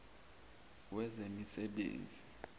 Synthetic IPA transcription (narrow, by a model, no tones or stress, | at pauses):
wɛzemisɛɓḛːnd͡zʱi